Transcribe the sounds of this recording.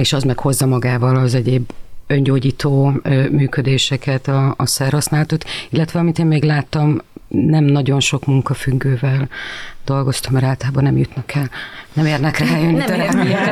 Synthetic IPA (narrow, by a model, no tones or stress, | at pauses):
eːʃɒzmɛkho̞zːɒmɒɡaːvɒlɒzɛɟeːbønɟoːɟiːt̪oːmyːkød̪eːʃɛkɛt̪ɒːsɛrhɒsnaːlɒt̪ot̪ilːɛt̪ʋɛɒmit̪eːmmeːɡlaːt̪ːɒmnɛmnɒɟo̞nʃo̞kmuŋkɒfyɡːøːvɛld̪̥o̞lɡo̞st̪ɒmːɛɾaːlt̪laːbɒnɛmjut̪nɒkʰːɛlnɛmeːrnɛkraːjønːit̪ɒɾaː